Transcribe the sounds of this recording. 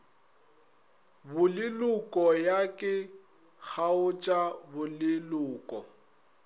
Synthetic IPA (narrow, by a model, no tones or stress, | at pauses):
bʊlɪlʊkʼɔjakʼɪ | k͡xʰaʊt͡ʃʼabʊlɪlʊːkʼɔ